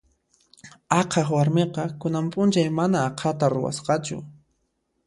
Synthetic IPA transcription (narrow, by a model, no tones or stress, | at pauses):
ɑqʰɑχwaɾmeqɑkʊnampʼʊnt͡ʃajmanaːqʰɑt̪aɾʊ̰wa̰sqɑt͡ʃʊ̰